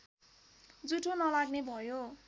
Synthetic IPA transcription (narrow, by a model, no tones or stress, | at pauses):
d͡zuʈʰonʌlaɡnebʱʌjo